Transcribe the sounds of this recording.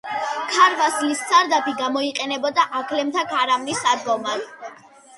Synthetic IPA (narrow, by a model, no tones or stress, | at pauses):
kʰaɾvaslissaɾd̪apiɡamɔiqʼɛnɛbɔd̪aʔakʰlɛmt̪ʰakʰaɾamnisad̪ɡɔma